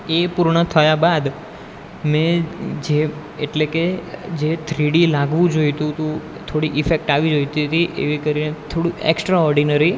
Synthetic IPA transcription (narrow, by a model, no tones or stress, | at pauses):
epuɾɳət̪ʰəjabad̪ | mɛ̃d͡ʒe | eʈleked͡ʒet̪ʰɾiɽilaɡʋũd͡ʒojt̪ũt̪ũ | t̪ʰoɽiʔifek̚ʈaʋid͡ʒojt̪it̪iʔḛʋikəɾinet̪ʰoɽũḛksʈɾaɔɾɖinəɾi